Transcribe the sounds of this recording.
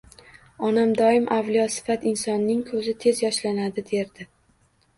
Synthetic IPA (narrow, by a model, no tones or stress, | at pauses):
ɒnamd̪ɒɪmʔavlijɒsɪ̥fat̪ɪnsɒnːɪŋkʰɵzɪt̪ʰe̞zjɒʃlanad̪ɪd̪e̞ɾd̪ɪ